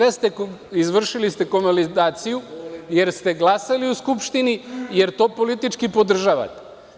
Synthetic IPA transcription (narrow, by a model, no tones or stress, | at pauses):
est̪eizʋr̩ʃilist̪e̞ko̞malid̪aːt̪sijuje̞ɾst̪e̞ɡlˠasaliuskupʃt̪inije̞ɾt̪o̞ːpo̞lit̪it͡ʃkipo̞d̪r̩ʒaʋa̰t̪e̥